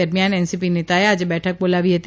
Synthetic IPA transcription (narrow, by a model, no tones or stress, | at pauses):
əɾmjaːnɛnsipineːt̪aead͡ʒebɛːʈʰək̚boːlaːʋiɦɛt̪i